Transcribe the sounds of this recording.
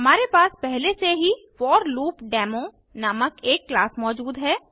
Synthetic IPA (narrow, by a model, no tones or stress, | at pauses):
ɦɐmaːɾepaːspɛɦleseɦi | ʋɔːɾluːpɖɛːmõ | naməkeːkːlaːsmɔːd͡ʒuːd̪ɦɛː